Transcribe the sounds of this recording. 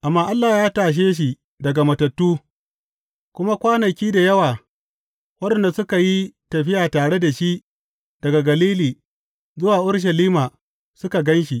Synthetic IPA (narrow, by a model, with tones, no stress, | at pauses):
ʔa˨mːaː˦˨ʔa˦lːaː˨jaː˦taː˨ʃ̬eː˦ʃ̬i˨ | dɐ˨ɡa˨mɐ˨tɐ˨tːuː˦ | kʷʊ˦ma˦kʷaː˦nɐ˨kʲiː˦da˨jɐ˦waː˨ | wɐ˦ɗɛ˨nda˨sʊ˦ka˨ji˦tɐ˨ɸɪ˦jaː˨taː˨ɽe˦da˨ʃi˦ʔ | d̥ɐ˨ɡa˨ɡɐ˨liː˦liː˨ | zʊ˦waː˨ʔʊ˦ɽʃ̬ɐ˨liː˦maː˨ | sʊ˦ka˨ɡɐ˦nʃi˨ʔ